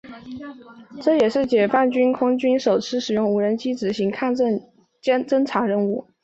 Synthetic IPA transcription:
ʈ͡ʂɤ˥˩jɛ˨˩ʂɻ̩˥˩t͡ɕjɛ˨˩fa˥˩nt͡ɕy˥nkʰʊ˥ŋt͡ɕy˥nʂo˨˩ʊt͡sʰɻ̩˥ʂɻ̩˨˩jʊ˥˩ŋu˧˥ɻə˧˥nt͡ɕi˥ʈ͡ʂɻ̩˧˥ɕi˧˥ŋkʰa˥˧nə˥˩n | t͡ɕɛ˥t͡sə˥ŋʈ͡ʂʰa˧˥ɻə˥˧nu˥˩

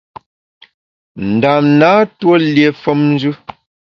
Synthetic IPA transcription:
n̩˨da˨mnaː˨˦two˦lje˨fɔ˦mn˦d͡ʒʉ˦

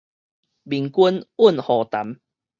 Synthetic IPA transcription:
bi˨˩ŋku˦nu˥˨nhɔ˨˩t̪a˨˦m

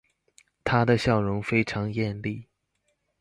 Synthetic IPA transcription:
t̪ʰa˥d̪ə˨ɕjɑ˥˩ʊɻʊ˧˥ŋfe˥ɪʈ͡ʂʰɑ˧˥ŋjɛ˥˧nli˥˩

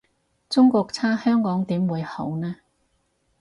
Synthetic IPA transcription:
t͡sʊ˥ŋkɔː˧k̚t͡sʰaː˥hœː˥ŋkɔː˨˥ŋt̪iː˨˥mwuː˨˧jho˨˥wnɛː˥

